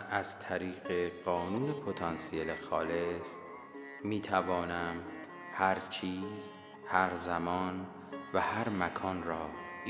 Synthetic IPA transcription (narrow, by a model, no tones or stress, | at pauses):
æz̥t̪ʰæɾiːɣeɢɒːnuːne̞pʰo̞t̪ʰɒnsielexɒːles | miːt̪ʰævɒːnæm | hæɾt͡ʃʰiːz | hæɾzæmɒːn | væhæɾmækʰɒːnrɒː